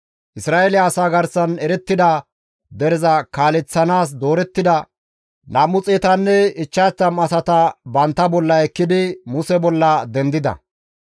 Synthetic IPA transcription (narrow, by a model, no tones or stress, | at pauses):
ʔɪsɾaːelɪɐːsaːɡɐɾsɐnɛɾɛt̪ːɪd̪ɐ | d̪ɛɾɛzɐkaːlɛt͡sːɐnaːs̬d̪o̞ːɾɛt̪ːɪd̪ɐ | namʊt͡sʼeːt̪ɐnːɛɪt͡ʃːat͡sːɐmɐsɐt̪ɐbɐnt̪ːɐbɔlːɐɛkːɪd̪ɪmʊsɛbɔlːɐd̪ɛnd̪ɪd̪ɐ̰